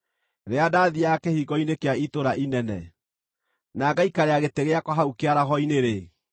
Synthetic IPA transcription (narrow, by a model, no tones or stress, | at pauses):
ɾeadaːðiakehiɣɔinekeaitoɾaʔinɛnɛ | naɡaikaɾeaɣeteɣeakwɔɦaukeaɾaɦɔineɾe